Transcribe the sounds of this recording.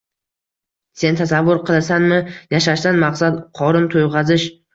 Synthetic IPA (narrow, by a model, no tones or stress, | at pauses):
se̞nt̪ʰasavːʊɾqʰɨlˠɪsanmɪjaʃaʃt̪d̪anmaqsad̪qʰɒɾʊnt̪ʰojʁɑzɪʃ